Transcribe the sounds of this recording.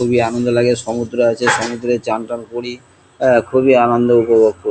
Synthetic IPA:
ubianond̪olaɡeʃɔmut̪ːɾoat͡ɕʰeʃɔmut̪ɾet͡ɕaɳʈankoɽi | kʰuβianond̪oupobok̚ko

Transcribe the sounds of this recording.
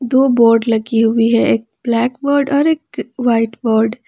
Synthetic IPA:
d̪oːbɔːɾɖlɐɡiɦʊiɦɛʔeːk̚blɛːkbɔːɾɖɔːɾeːk̚ʋaɪʈbɔːɾɖ

